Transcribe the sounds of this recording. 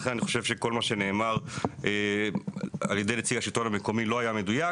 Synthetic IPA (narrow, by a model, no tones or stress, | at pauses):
χenaniχo̞̥ʃevʃe̞ko̞lmaʃe̞ne̞ːmaʁe | aljed̪e̞jlet͡siɡaʃitoname̞ko̞milo̞ajame̞duja